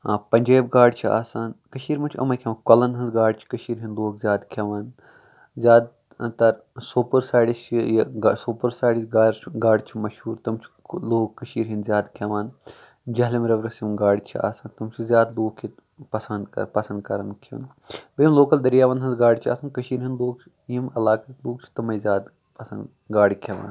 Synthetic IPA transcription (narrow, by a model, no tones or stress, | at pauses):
pɐɲʲd͡ʒaːb̚ɡaːɖt͡ʃʰia̰ːsaːnkɐʃiːɾmɐt͡ʃʰɐ̰mɐjkʰʲeʋɐnkɐlɐnɦɐnzɡaːɖt͡ʃʰi̥kɐʃiːɾɦinloːkzʲjaːd̪kʰɐʋaːn | zjaːd̪̚ | t̪ɐɾ | supəɾsaːɖist͡ʃʰijɐɡsuːpɐɾsaːɽisɡaːɾʰɡaːɖt͡ʃʰimɐʃhuːɾt̪ɐmt͡ʃʰ | loːkːɐʃiːɾɦinzjaːd̪kʰɐʋaːn | d͡ʒɐɦlimɾɐʋɾɐsjimɡaːɽʲit͡ʃʰia̰ːsɐnt̪ɐmt͡ʃʰizjaːd̪loːkʰit̪ | pɐsɐnd̪̰pɐsɐ̃nd̪kɐɾɐnkʰɐ̰n | bɐimloːkɐld̪ɐɾijaːʋɐnɦɐnzɡaːɽit͡ʃʰa̰ːsɐnkɐʃiːɾɦinloːk | jimɐlaːkɐloːk̚t͡ʃʰi̥t̪ɐmɐjzjaːd̪ | pɐsɐn | ɡaːɽikʰɐʋa̰ːn